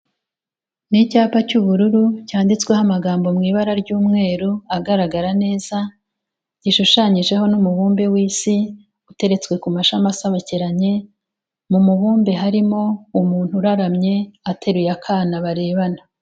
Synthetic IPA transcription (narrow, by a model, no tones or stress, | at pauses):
nicaːpacuβuɾuɾucaːndit͡skwehamaɡaːmbo̞mŋiːβaɾaɾɟuːmŋe̞ːɾuaɡaɾaɡaɾane̞ːz̥a | ɟiʃuʃaɲiʒe̞ɦo̞numuβuːmbe̞wiːsi | ute̞ɾet͡skwe̞kumaʃamasaβaciɾaɲe̞ | mumuβuːmbe̞ɦaɾimo̞umuːn̥huɾaɾamɲe̞atʰe̞ɾujakʰaːnaβaɾe̞ːβana